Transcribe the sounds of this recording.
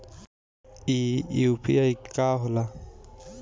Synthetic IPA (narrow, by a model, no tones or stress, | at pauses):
iupʰḭajkaɦʊla